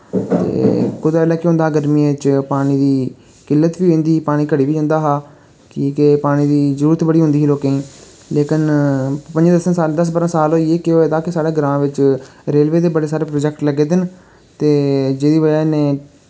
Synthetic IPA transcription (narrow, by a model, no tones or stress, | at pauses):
t̪ḛːkʊd̪ɛːlɛːkɪɦõnd̪aːɡəɾmiːʋɪt͡ʃpaːɽ̃iːd̪iː | kɪlːət̪ʋiːẽːnd̪iːpaːɽ̃iːkəɽiːʋiːd͡ʒə̃nd̪aːɦaː | kiːkepaːɽ̃iːd̪iːzəɾuːɾət̪bəɽiːɦʊ̃nd̪iːiːloːkẽːĩː | leːkɪnpəɲd͡ʒãd̪əsənsaːld̪əs̬bəɾãːsaːloːieːkɪoːeːd̪aːkɪsaːɽeːɡəɾãːʋɪt͡ʃɾeːlʋeːd̪eːbəɽeːsaːɾeːpɾoːd͡ʒɛkʈləɡeːd̪ɪn | t̪eːd͡ʒeːd̪iːʋəd͡ʒaːnẽː